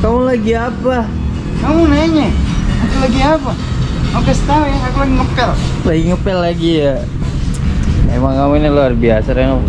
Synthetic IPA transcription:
k̪amulaɡiapa | kamunaɲaakulaɡiapa | makəst̪aujaakulaɡiŋəpɛllaɡiŋəpɛlːaɡija | emaŋamunaluarbiasaɾaŋa

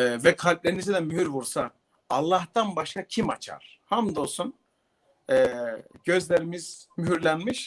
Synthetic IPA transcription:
ɛvɛkʰalʲp̚lʲeɾinizid̪ɛmyhyɾvuɾsaː | lˠːaht̪ʰanbaʃkacʰima̰t͡ʃʰa̰ɾ̥ | hamd̪osun | ɛːɟ̥øzlʲeɾimiz̥myɦyɾlʲænmiʃ

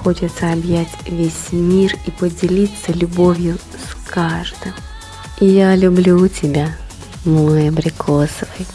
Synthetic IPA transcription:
xo̞t͡ʃɪt̪səɐbjætʲvʲesʲmʲiripədʲɪlʲit̪sːəlʲʊbovʲjʊ | skaʐd̪ɨm | ijalʲʊblʲutʲɪbʲa | mlˠojəbɾʲɪkʰosəvəj

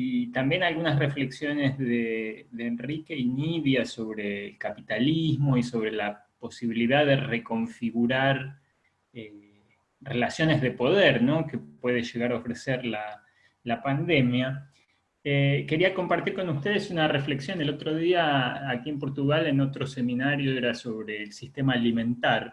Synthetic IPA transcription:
it̪ambje̞nalɣunasrefle̞ksjo̞nezðeðeːnrike̞iniðjaso̞β̞ɾe̞ːlkapit̪alizmo̞iso̞βɾe̞lapo̞siβiliðaðere̞ko̞ɱfiɣuɾaɾ | e | re̞lasjo̞ne̞zðe̞po̞ð̞eɾno̞ke̞pwe̞ðeʃe̞ɣaɾaofɾeseɾla | lapand̪e̞mja | eke̞ɾiako̞mpaɾt̪iɾko̞nust̪e̞ð̞esunarefle̞ksjo̞nelo̞t̪ɾo̞ð̞iaːkie̞mpo̞ɾt̪uɣale̞no̞t̪ɾo̞se̞mĩnaɾjo̞eɾaso̞βɾe̞ːlsist̪emaːlimẽ̞nt̪aɾ

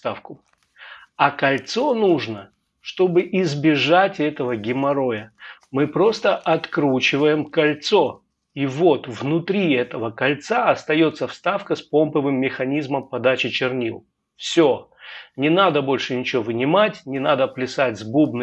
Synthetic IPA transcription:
t̪afkʊ | ɐkɐlʲt̪so̞nuʐnə | ʂt̪o̞bɨʔɪzbʲɪʐatʲɛt̪əvəɡʲɪmɐɾo̞jə | mɨpɾo̞st̪əʔɐt̪kɾut͡ɕɪvəjɪmkɐlʲt̪so̞ | ivo̞t̪vnʊt̪ɾʲiɛt̪əvəkɐlʲt̪saɐst̪ɐjo̞t̪sːəfst̪afkəspo̞mpɨvɨmːʲɪxɐnʲizməmpɐd̪at͡ɕɪt͡ɕɪrnʲilˠ | fsʲonʲɪnad̪əbo̞lʲʂɨnʲɪt͡ɕɪovɨnʲɪmatʲnʲɪnad̪əplʲɪsatʲzbub̚nɨ

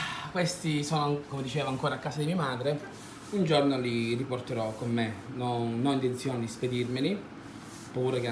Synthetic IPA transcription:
kwest̪isoːnoakomed̪it͡ʃeːvaŋkoːɾakːaːsad̪imiːamaːd̪ɾe | und͡ʒornoliriport̪eɾɔkːomːenɔnːɔint̪ent̪sjoːned̪isped̪irmeli | pːuːɾeke

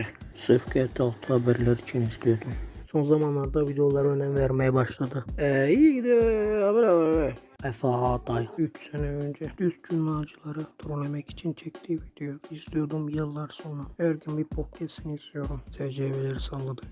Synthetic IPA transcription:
sɯfkʰɛt̪ʰːalˠt̪ʰɯhabæɾlʲæɾit͡ʃʰiniz̥t̪ijod̪umso̞nzamanlˠaɾd̪avid̪ejo̞lˠaɾɯønæmvæɾmɛjɛbaʃlˠad̪ɯɛijiɟid̪iabɛɾabɛɾɛ | ɛfaad̪ajyt͡ʃsenɛønd͡ʒɛd̪̥yst̪̚d͡ʒymlˠaːd͡ʒɯlˠaɾɯt̪ʰuɾunemɛci̥t͡ʃʰint͡ʃʰɛct̪ʰivid̪̥ejoizt̪ijo̞d̪umjɯlˠːaɾso̞nɾaæɾɡʲynbipʰop̚cʲʰɛst̪iniizst̪ijo̞ɾumsʰɛɾd͡ʒɛvelʲeɾisalˠːɯd̪ɯ

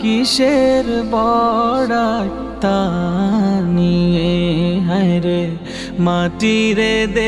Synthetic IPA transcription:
kiʃeɾbɔɽak | t̪a | nijeɦaeɾe | mãːʈiɾed̪e

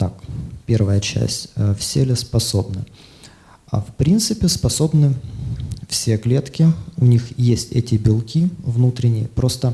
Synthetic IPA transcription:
t̪akpʲe̞rvəjət͡ɕæ̰sʲtʲfsʲelʲɪspɐsobnɨ | a̰fpɾʲint̪sɨpʲɪspɐso̞bnɨ | fsʲeklʲet̪kʲɪʊnʲixjesʲtʲɛtʲɪbʲɪlˠkʲivnut̪ɾʲɪnʲɪjəpɾo̞st̪ə

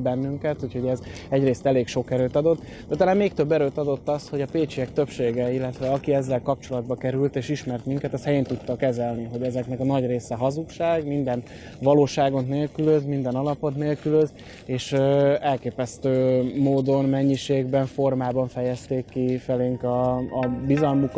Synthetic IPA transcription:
bɛnːyŋkɛt̪uːcho̞ɟɛz | ɛɟreːst̪ɛleːkʃo̞kɛɾøːt̪ɒd̪o̞t̪ː | d̪ɛt̪elaːmmeːk̚t̪øbːɛɾøːt̪ɒd̪o̞t̪ːɒsho̞ɟɒpeːt͡ʃiɛk̚t̪øpʃeːɡɛilːɛt̪ʋɛɒkiɛzːɛlkɒp̚t͡ʃo̞lɒd̪bɒkɛɾylt̪eːʃiʃmɛrt̪miŋkɛt̪ɛst̪ɛjeːnt̪ut̪ːɒkɛzɛlniɦo̞ɟɛzɛknɛkɒnɒɟreːsɛɦɒzukʃaːɡmind̪ɛn | ʋɒloːʃaːɡo̞t̪neːlkyløzmind̪ɛnɒlɒpo̞t̪neːlkyløz | eːʃɛlkeːpɛst̪øːmoːd̪o̞nmɛɲːiʃeːɡbɛɱfo̞rmaːbɒɱfɛjɛst̪eːkːifɛleːŋkɒːbizɒlmuk

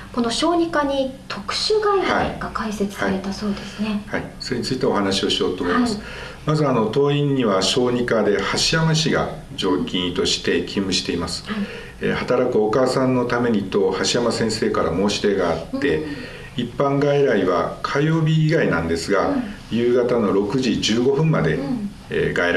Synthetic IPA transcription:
ko̞no̞ɕo̞ːɲ̟ikaɲ̟it̪ʰo̞kɯ̥ɕɨɡaiɾaaiɡakaise̞t͡sɨ̥saiɾe̞t̪aso̞ːd̪e̞sɨnehaiso̞ɾe̞ɲ̟it͡sɨit̪eo̞hanaɕio̞ɕijo̞ːt̪o̞ːmo̞imasɨ̥ | mazɨano̞t̪o̞ːĩɲ̟ːiβaɕo̞ːɲ̟ikad̪e̞haɕijamaɕiɡa̰ | d͡ʑo̞ːkʲĩɰ̃it̪o̞ɕi̥t̪e̞kʲʰĩmːɯ̟ɕi̥t̪e̞imasɨ̥ | ehat̪aɾakɯ̟o̞kaːsãnːo̞t̪ame̞ɲ̟it̪o̞haɕijamasẽ̞ɰ̃se̞ːkaɾamo̞ːɕi̥ɾe̞ɡaːt̪ːe̞ | ipːãŋɡaiɾaiβa̰kʰajo̞ːbʲiːɡainãnd̪e̞sɨɡa | jɯ̟ːɡat̪ano̞ɾo̞kɯ̟ʑid͡ʑɨːɡo̞ɸɯ̟̃mːad̪e̞̰ | ɡaiɾ

